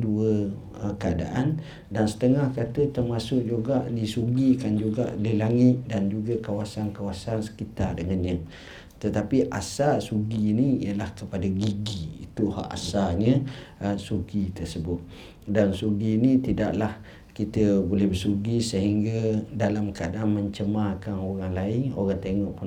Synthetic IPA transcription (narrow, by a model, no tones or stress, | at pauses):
duə | əkəada̰ʔan | dansə̥t̪əŋahkat̪ət̪ərmasʊʔ̚d͡ʒuɡaʔdisuɡikand͡ʒuɡa̰ʔləlaŋɪt̪̚dand͡ʒuɡakawasankawasansə̥kit̪ardəŋanɲə̃ | t̪ət̪apiʔa̰sasuɡiniḭəlahkəpadaɡiɡiḭt̪uha̰ʔa̰saɲəəsuɡit̪əsəbʊt̪̚ | dansuɡinit̪idaʔlah | kit̪əbolɛhbəsuɡisəɦiŋɡadalamkəadaʔanməɲt͡ʃəmakanoɾaŋlaɪŋo̰ɾaŋt̪eŋɔʔku